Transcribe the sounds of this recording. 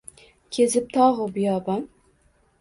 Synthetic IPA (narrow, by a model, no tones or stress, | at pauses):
kʲʰezɪp̚t̪ʰɑːʁəbujɑːbɑn